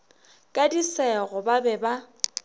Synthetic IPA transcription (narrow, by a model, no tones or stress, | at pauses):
kʼadisɛɣɔbabɛba